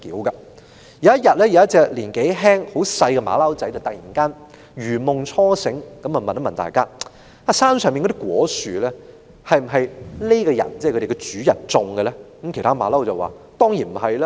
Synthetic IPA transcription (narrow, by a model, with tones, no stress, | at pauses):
kiː˨˥wkɐ˧ | jɐ˨˦jɐ˥t̚jɐ˨t̚lɛː˥jɐ˨˧˦jɐ˥t̚t͡sɛː˧k̚liː˨˩nke˨˥jɦɛː˥ŋho˨˥wsɐ˧jkɛ˧ma̰ː˨˧lɐ˥wt͡sɐ˨˥jt͡sɐ˨˩t̪k̚jiː˨˩nkaː˥n | ɥyː˨˩mʊ˨ŋt͡ʃʰɔː˥sɪ˨˥ŋkɐ˨˥mɐ˨mɐ˨ntmɐ˨nt̪a̰ː˨jkaː˥ | aː˧˩saː˥nsœː˨ŋmiː˨nkɔ˧˥ɪ˥kwɔː˨˥syː˨lɛː˥ | hɐ˨jm̩˨˩ɦɐ˨jle˥jkɔ˧jɐ̰˨˩nt͡sɛ˥˩˨kʰɵ˧˥e˨˩˨kɛ˧t͡syː˨˥jɐ˨˩nt͡sʊ˨˧ŋɡə˧lɛː˥kɐ˨˥mkʰt̪ʰaː˥ma̰ː˨˧lɐ˥wt͡sɐ˨˩waː˨˩ | t̪ɔː˥ŋjiː˨˩nm̩˨˩ɦɐ˨jlɛ˥